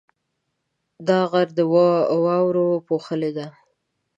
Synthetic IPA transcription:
d̪ɑɣaɾd̪əwɑwɑwɾopoxəled̪a

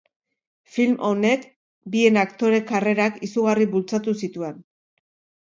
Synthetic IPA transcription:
filmʔo̞ne̞k | bie̞nakt̪o̞ɾe̞kare̞ɾakisuɣariβult͡sat̪usit̪ue̞n

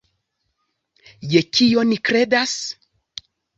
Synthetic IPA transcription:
jekio̞nikɾe̞das

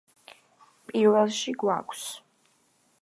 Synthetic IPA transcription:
pʼiɾvɛlˠʃiɡwa̰kʰs

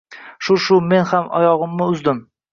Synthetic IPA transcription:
ʃʊʃʊme̞nhamɒ̰jɒʁɨmnɪʊzd̪ɪm

